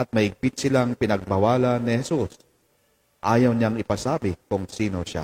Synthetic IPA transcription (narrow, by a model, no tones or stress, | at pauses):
ʔɐt̪̚mɐhɪɡ̚pɪt̪̚sɪlaŋpɪnɐɡ̚bɐwaːlɐnːɪhɛsus | ʔaːjɐwɲaŋɪpasaːbɪkʊŋsiːnoʃa̰